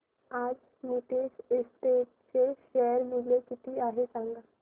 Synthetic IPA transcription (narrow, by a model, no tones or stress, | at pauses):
aːd͡ʒ | miʈeːsɪsʈeːʈ̚seʃɛəɾmɪlekɪt̪iaːɦesãŋɡa